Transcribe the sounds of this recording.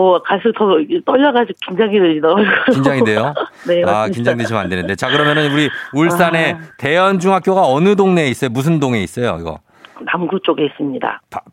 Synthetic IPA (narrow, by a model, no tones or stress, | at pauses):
okaɭs̬͈ʰɯtʌɡet͈ʌʎːʌɡad͡ʑiɡkind͡ʑaŋidɯɲidaakind͡ʑaŋide̞jone̞akind͡ʑaŋded͡ʑʰima̰ndenɯnde̞t͡ɕakɯɾʌmjʌnɯnuɾiuɭs͈ane̞te̞jʌnd͡ʑuŋɦak͈̚joɡaʌnɯdoŋne̞is͈ʌjomus̬ʰɯndoŋe̞is͈ʌjo̰iɡʌ̰ | namɡut͡ɕ͈oɡe̞is͈ɯmɲida̰ta